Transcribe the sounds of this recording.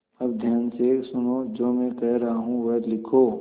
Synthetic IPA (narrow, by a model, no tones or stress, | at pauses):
ɐb̚d̪ʱjaːnsesʊnoːd͡ʒoːmɛ̃kɛɦɾɐɦaɦũʋɐɦ̪lɪkʰoː